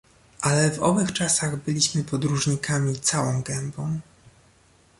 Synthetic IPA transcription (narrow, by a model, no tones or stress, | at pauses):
ʔalɛvɔ̰vɘxt͡ʂasaɣbɘlʲiɕmɘpɔd̪ɾuʐɲikamʲit̪sawɔ̃w̃ɡɛmbɔ̃w̃